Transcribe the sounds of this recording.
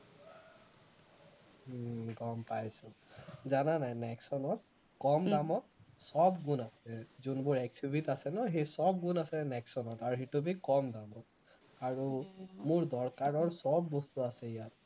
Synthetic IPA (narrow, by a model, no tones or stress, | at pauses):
ɡɔmpajsʊzananajnɛksɔnɔt̚ | kɔmdamɔt̚sɔbɡunasɛzunbʊɹɛk̚tʰibʱitasɛnɔɦejsɔb̚ɡunasɛnɛksɔnɔtaɹuxetubikɔmdabɔ | aɹumʊɹdɔɹkaɹɔɹsɔbːɔstuasɛijat̚